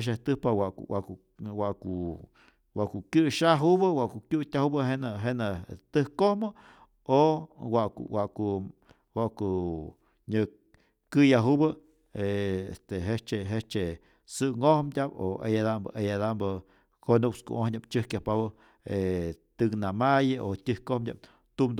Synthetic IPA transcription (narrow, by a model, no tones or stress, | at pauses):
ʃ̬aht̪ɨhpawaʔwaku | waʔku | waʔkukɨʃaɦubɨwaʔkukʲjutʲahubɨɦenaɦenat̪ɨhkohmɨ | owaʔkṵwaʔku | waʔku | ɲɨ | kɨjaɦubɨ | eḛst̪eɦet͡ʃeɦet͡ʃe | sɨŋohmdʲabo̰ḛjad̪ambɨ̰ʔejad̪ambɨ | konukskṵʔohɲabt͡ʃɨhkʲjahpawɨ | et̪ɨknamajɨʔotʲɨhkohmdʲa̰b | t̪umd̪